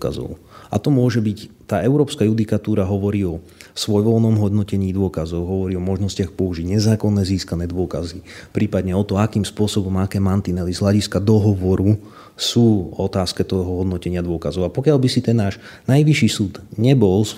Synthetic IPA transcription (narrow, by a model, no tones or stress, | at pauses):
ka̰zɔ̰ʊ | ʔa̰t̪ɔmʊɔʒɛbict̪aːɛʊɾɔːpskajud̪ikat̪uːɾaɦɔʋɔɾiːɔsʋɔjʋɔlnɔmɦɔd̪nɔcɛɲiːd̪ʊɔkazɔʊɦɔʋɔɾiːɔmɔʒnɔscɪaxpɔuʒiɟɲɛzaːkɔnːɛːziːskanɛːd̪ʊɔkazipɾiːpad̪ɲɛɔt̪ɔakiːmspʊɔsɔbɔmakɛːmant̪inɛlizɦlaɟiskad̪ɔɦɔʋɔɾu | suːɔt̪aːskɛt̪ɔɦɔɦɔd̪nɔcɛɲɪad̪ʊɔkazɔʊapɔkɪalbisit̪ɛnːaːʃ | najʋiʃiːsuːd̪ɲɛbɔls